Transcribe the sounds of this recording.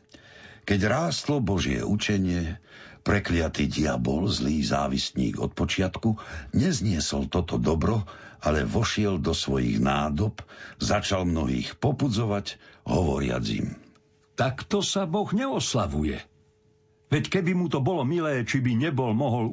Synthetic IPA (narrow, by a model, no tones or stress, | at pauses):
kɛɟɾaːst̪lɔbɔʒɪɛ̰ʔut͡ʃɛɲɪɛpɾɛklɪat̪iːɟiabɔlzliːza̰ːʋisɲḭːɡɔ̰t̪̚pɔt͡ʃɪat̪kuɲɛzɲɪɛsɔlt̪ɔt̪ɔd̪ɔbɾɔaʎɛʋɔʃɪɛld̪ɔsʋɔjḭɣnaːd̪ɔpzat͡ʃalmnɔɦḭːxpɔpud͡zɔʋaɟɦɔʋɔ̰ɾɪa̰d͡zḭm | t̪akt̪ɔsabɔɣɲɛɔslaʋujɛ | ʋɛckɛbimut̪ɔbɔlɔmilɛːt͡ʃibiɲɛbɔlmɔɦɔl